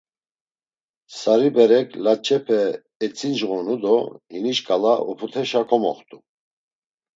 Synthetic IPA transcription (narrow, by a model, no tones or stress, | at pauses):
saɾibɛɾɛkʰlat͡ʃʰʼɛpʰɛ | ɛt͡sʼind͡ʒɣɔnud̪ɔhiniʃkʼalaʔṵpʰut̪ʰɛʃakʰɔmɔ̰χt̪ʼu